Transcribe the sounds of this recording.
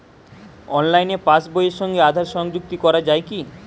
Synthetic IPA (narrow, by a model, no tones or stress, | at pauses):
ɔnlajnepasbojeʃɔŋɡead̪ʱaɾʃɔŋd͡ʑuk̚t̪ikɔɾad͡ʑaeki